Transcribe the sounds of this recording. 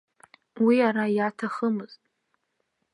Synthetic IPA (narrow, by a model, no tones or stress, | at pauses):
wiaɾajatʰaχəmɨz̥tʼ